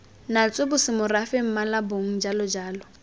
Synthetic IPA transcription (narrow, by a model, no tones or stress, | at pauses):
nat͡sʼwebʊsɪmʊrafɪm̩malaboŋ̩d͡ʒalɔd͡ʒaːlɔ